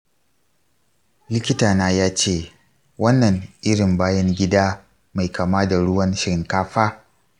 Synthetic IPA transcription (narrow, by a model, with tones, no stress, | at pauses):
lɪ˦kʲɪ˦taː˨naː˦jaː˦t͡ʃeː˦˨ | wɐ˦nːɐ˨ŋʔɪ˦ɽɪ˨mbaː˦jɐ˦ŋɡʲɪ˦daː˦ | ma˨jkaː˨maː˦da˨ɽʊ˦wɐ˦nʃɪ˨ɾɪ˨ŋkaː˦ɸaː˦